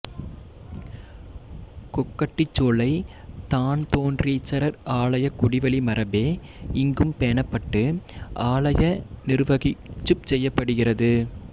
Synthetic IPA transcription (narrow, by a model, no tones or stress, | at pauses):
kɔkːɐʈːɪt͡ʃːoːɭɐɪ | t̪aːnt̪oːndrit͡ʃːɐɾɐɾaːɭɐjɐkʊɽɪʋɐɭimɐɾɐbeː | ɪŋɡɯmpeːɳɐpːɐʈːɯʔaːɭɐjɐnɪɾɯʋɐɣɪt͡ʃːɯp̚sɛjːɐpːɐɽɯɣɪrɐðɯ